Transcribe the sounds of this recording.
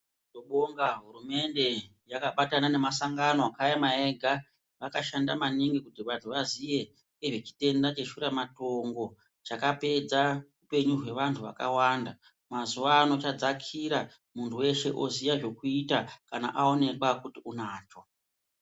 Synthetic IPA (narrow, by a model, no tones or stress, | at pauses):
toɓo̞ŋɡaɦuɾume̞nde̞ | jakaɓatanane̞masaŋɡanoakajamaeɡʱa | ʋakaʃandamaniŋɡikutiʋantʰuʋaziʋe̞ | ŋeʐet͡ʃi̥te̞ndat͡ʃe̞ʃuɾamato̞ŋɡo̞ | t͡ʃakape̞d͡zaupe̞ɲuɦwe̞ʋantʰuʋa̰ka̰waːnda | mazuʋaːno̞t͡ʃad͡zakʰiɾa | muntʰuwe̞ʃe̞̰ʔo̞zijaʐo̞kuitakana̰ʔao̞ne̞kwakutiunaːt͡ʃo̞